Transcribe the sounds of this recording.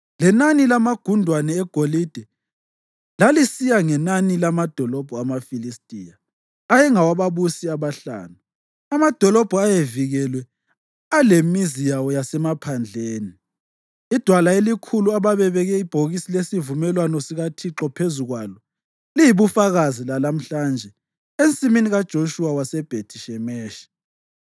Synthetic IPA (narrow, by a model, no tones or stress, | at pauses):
lɛnanilamaɡ̥ʱundʱwanɛːɡ̥ʱolid̥ʱɛ | lalisijaŋɛnanilamad̥ʱɔlɔb̥ʱɔamafilistʼḭja | ajɛŋawaβaβusiaβaɬa̰ːnu | amad̥ʱɔlɔb̥ʱuajeviɣɛlwɛ | alemizijawɔjasɛmapʰand͡ɮʱeːni | id̥ʱwalaelikʰuluaβaβɛβɛɣɛib̥ʱoɣisilesivumɛlwanɔsiɣatʰiǁɔpʰezuɣwalɔ | lijiβufaɣazilalam̩ɬand͡ʒʱɛ | ent͡sʼiminiɣad̥ʒ̥ʱoʃuwawasɛb̥ʱetʰiʃɛmɛːʃɛ̥